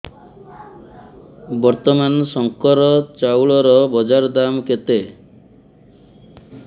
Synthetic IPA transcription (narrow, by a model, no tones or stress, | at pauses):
bɔɾt̪ɔmanɔsɔŋkɔɾɔt͡ʃawɭɔɾɔbɔd͡ʒaɾd̪amket̪e